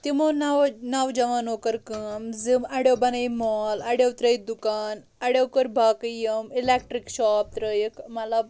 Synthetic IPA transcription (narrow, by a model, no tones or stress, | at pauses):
t̪imonawnawd͡ʑɐʋanokəɾkəmd͡zɨmaɽewbanajmɔlaɽewt̪ɾəjid̪ukaːn | ɐɽewkəɾbʱakjəmilek̚ʈɾikɕɔp̚t̪ɾəjkmala